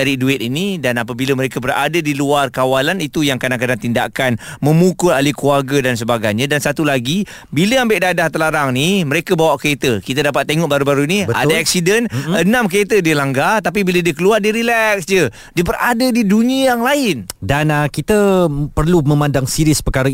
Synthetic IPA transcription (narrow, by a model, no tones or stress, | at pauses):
aɾiduɪt̪inidanapəbiləməɾekabəra̰dədiluarkawalanit̪ujaŋkanaŋkədat̪inda̰kanmə̃mukʊlalikuarɡədans̬əbaɡajɲãdansat̪ulaɡi | biləambɪʔdadaht̪əlaɾaŋniməɾekəbawaʔkəet̪əkit̪ədapat̪ːeŋɔʔ̚baɾubaɾunibəa̰daak̚sidənənãmkəet̪ədilaŋɡat̪ap̬ibilədiəkəluardiəɾilɛksd͡ʒə | diəbəradədiduniəjaŋlaɪndanəkit̪əpərlumə̃mãndaŋsiɾispəkaɾə